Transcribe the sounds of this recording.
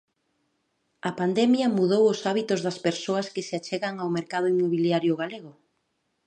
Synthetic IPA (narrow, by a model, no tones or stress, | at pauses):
ɐpand̪ɛmjɐmuðowʊsaβit̪ʊzðɐspeɾsoɐskɪseat͡ʃɛɣɐŋawmeɾkaðʊimːoβiljaɾjʊɣaleɣʊ